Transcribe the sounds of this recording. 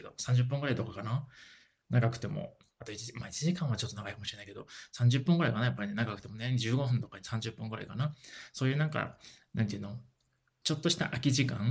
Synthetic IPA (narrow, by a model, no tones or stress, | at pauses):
ed̪o̞̰sãɲ̟d͡ʑɨp̬ːɯ̃ŋɡɯ̟ɾait̪o̞kakana | naɡakɯ̟̥t̪e̞mo̰ | at̪o̞iimait͡ɕiʑikãɰ̃βat͡ɕot̪ːonaɡaikamo̞ɕiɾeaikeo̞sãɲ̟d͡ʑɨpːɯ̟̃ŋɡɯɾaikanajapːaɾʲine̞naɡakɯ̟̥e̞monẽd͡ʑɨːɡo̞ɸɯ̟̃nt̪o̞kaɲisãɲd͡ʑɨpːɯ̟̃ŋɡɯ̟ɾa̰ikanaso̞ːjɯ̟ːnãŋka̰nãnt̪eiɯ̟no | t͡ɕo̞t̪ːo̞ɕi̥t̪a̰ʔakʲiʑikã̰ŋ